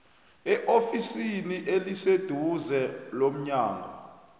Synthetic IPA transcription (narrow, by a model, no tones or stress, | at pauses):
ɛʔofisiniʔelised̥ʱuzɛlom̩ɲaːŋa̰